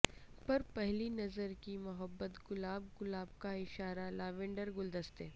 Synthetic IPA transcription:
pɐɾpɛɦlinɐzəɾkimʊɦəbːət̪ɡʊlaːb̚ɡʊlaːb̚kaɪʃaːɾalaːʋẽːɳɖəɾɡʊld̪əst̪eː

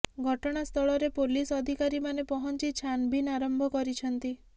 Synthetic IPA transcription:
ɡʱɔʈɔɽ̃ast̪ʰɔɭɔɾepolisɔd̪ʱikaɾimanepɔɦɔnt͡ʃit͡ʃʰanbʱinaɾɔmbʱɔkɔɾit͡ʃʰɔnt̪i

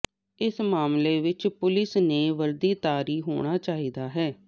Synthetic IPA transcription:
ɪsmaːmleːʋɪt͡ʃpʊlɪsneːʋəɾd̪iːt̪aːɾiːɦo̰ːɽ̃aːt͡ʃaːiːd̪aːɦɛː

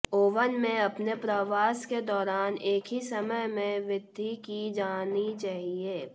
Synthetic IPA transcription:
oːʋənmẽɐpnepɾəʋaːsked̪ɔːɾaːneːkʰɦisɐməjmẽʋɪd̪ʱːikid͡ʒaːnit͡ʃaːɦieː

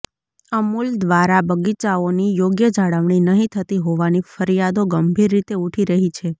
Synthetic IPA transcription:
əmuld̪ʋaɾabəɡit͡ʃaonijoɡjəd͡ʒaɽəʋɳ̃inəɦĩt̪ʰət̪iɦoʋanifəɾijad̪oɡəmbʱiɾːit̪euʈʰiɾəɦit͡ʃʰe

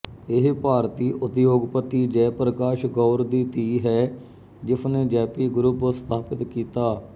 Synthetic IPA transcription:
ɪɦpaːɾt̪iːʔʊt̪joːɡpət̪ːiːd͡ʒɛːpɾəkaːʃɡɔːɾd̪iːt̪iːɦɛː | d͡ʒɪsneːd͡ʒɛːpiːɡɾʊpst̪ʰaːpɪt̪kiːt̪aː

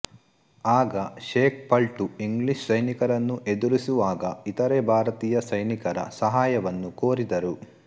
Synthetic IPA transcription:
aːɡɐʃeːk̚pɐlʈuiŋɡliʃsɐjnikɐɾɐnːuʔe̞d̪uɾisuʋaːɡɐit̪ɐɾebʱaːɾɐt̪iːjɐsɐjnikɐɾɐ̰sɐɦaːjɐʋɐnːukoːɾid̪ɐɾu

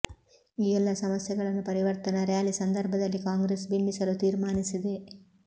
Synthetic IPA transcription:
iːɛlːɐsɐmɐsjɐɡɐɭɐnːupɐɾiʋɐɾt̪ɐnɐɾjaːlisɐnd̪ɐɾbʱɐd̪ɐlːikaːŋɡɾeːsbimbisɐlut̪iːɾmaːnisid̪e̞

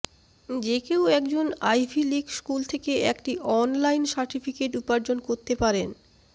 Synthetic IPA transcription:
d͡ʑekewɛkd͡ʑonajfilikskult̪ʰekeɛkʈiʔɔnlajnsaɾʈifikeʈupaɾd͡ʑonkoɾt̪epaɾen

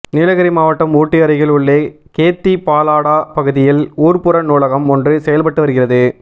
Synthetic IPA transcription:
nɪlɐɣɐɾimaːʋɐʈːɐmuːʈːɪɐɾɐɪɣɐɭʊɭːeː | keːt̪ːipaːlaːɽaːpɐɣɯðɪjɪluːrpɯɾɐnuːlɐɣɐmɔndrɯsɛjɐlpɐʈːɯʋɐɾɯɣɪrɐðɯ

